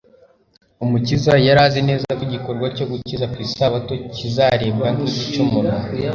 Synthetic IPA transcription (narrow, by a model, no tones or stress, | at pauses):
umucizajaɾaːzene̞ːzakwiɟiko̞ɾɡwaco̞ɡucizakisaβato̞cizaɾe̞βɡaŋkiticumunu